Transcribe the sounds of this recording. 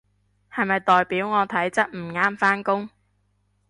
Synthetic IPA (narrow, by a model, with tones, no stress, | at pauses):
hɐ˨jmɐ˨jt̪ɔː˨jpiː˨˥wŋɔː˨˧t̪ʰɐ˨˥jt͡sɐ˥t̚m̩˨˩ŋaː˥mfaː˥nkʊ˥ŋ